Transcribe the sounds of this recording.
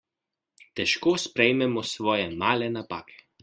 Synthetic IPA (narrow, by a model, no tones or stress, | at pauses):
t̪ʲɛʃkoːspʲɾʲɛɪmʲɛmosʋoːjɛmaːlʲɛnɐpaːkʲɛ̥